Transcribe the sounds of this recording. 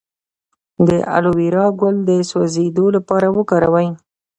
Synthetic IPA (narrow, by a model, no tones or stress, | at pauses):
d̪əʔa̰lowiɾɑɡʊld̪əswazed̪olapɑɾawəkɑɾawaj